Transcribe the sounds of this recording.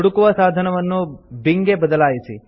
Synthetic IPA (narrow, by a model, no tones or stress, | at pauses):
ɽukʋəsad̪ʱənəʋənːobiŋɡebəd̪əlajt͡ʃʰi